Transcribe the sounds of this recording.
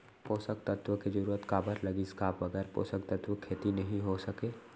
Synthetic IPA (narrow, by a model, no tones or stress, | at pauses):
poːsək̚t̪ɐt̪wəked͡ʒɐɾuːɾət̪kaːbəɾlɐɡiskaːʋɐɡɛːɾpo̰ːsək̚t̪ɐt̪wəkʰeːt̪inɐɦĩɦosɐkeː